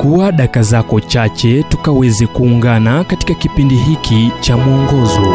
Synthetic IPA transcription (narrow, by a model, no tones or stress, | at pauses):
kuwaɗakazakɔt͡ʃat͡ʃɛtukawɛzɛkuːŋɡanakati̥kakipindiɦikʰit͡ʃamuɔŋɡɔzɔ